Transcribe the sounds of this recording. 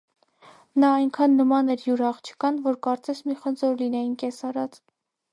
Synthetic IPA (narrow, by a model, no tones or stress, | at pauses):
nɑːjŋkʰɑnːəmɑnɛɾjuɾɑχt͡ʃʰə̥kɑnvɔɾkɑɾt͡sɛsmiχənd͡zɔɾlinɛjinkɛsɑɾɑt͡s